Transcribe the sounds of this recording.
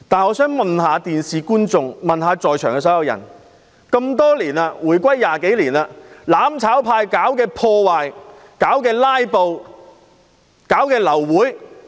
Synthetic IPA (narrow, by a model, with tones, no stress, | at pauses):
t̪aː˨nɔː˨˧˥sœː˨˥ŋmɐ˨nhaː˨˧t̪iː˨˩nsiː˨˩kuː˥nt͡sʊ˨ŋmɐ˨nɦaː˨˧t͡sɔː˨jt͡ʃʰœː˨˩ŋkɛː˧s̬ɐ˨˥wjɐ˨˧wjɐ̰˨˩n | kɐ˧mt̪ɔː˥liː˨˩naː˧wuː˨˩jkʷɐ˥jːaː˨˩ke˨˥jliː˨˩naː˧laː˨˥mt͡sʰaː˨˥wpʰaː˧jkaː˨˥wkɛː˧pʰɔː˧waː˨j | kaː˨˥wkɛː˧laː˥jpo˨w | kaː˨˥wkɛː˧lɐ˨˩wːuː˨˥j